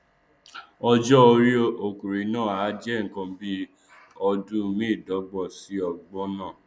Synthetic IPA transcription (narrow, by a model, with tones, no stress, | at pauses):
ɔ˧d͡ʒɔ˦o˧ɾi˦o˦o˨ku˨ɾi˨˦nã˦˨a˨˦d͡ʒɛ˦˨ŋ̩˨kã˧˦bi˦ | ɔ˧dũ˦mĩ˦˨dɔ˨˦ɡ͡bɔ˦˨si˨˦ɔ˧ɡ͡bɔ˦nãː˦˨